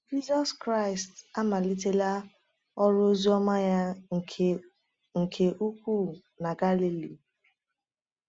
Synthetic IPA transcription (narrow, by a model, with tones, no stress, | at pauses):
d͡ʒi˦zɔ˦skɾa˦ɪ˨sta˦ma˨li˦te˦la˦ | ɔ˦ɾo˦zi˦ɔ˦ma˦ja˦˨ | ŋ̩˨kʰe˨ʔu˦kʷu˦˨ | na˨ɡa˦li˦li˨